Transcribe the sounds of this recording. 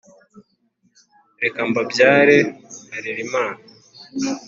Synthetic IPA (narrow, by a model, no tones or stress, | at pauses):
ɾekambabjaːɾehaɾiɾimaːna